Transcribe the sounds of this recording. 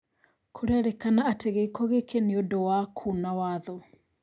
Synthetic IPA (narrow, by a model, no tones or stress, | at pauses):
kʰoɾaɾɛkanaːteɣeikɔɣekʰeneodɔwakʰunawaðɔ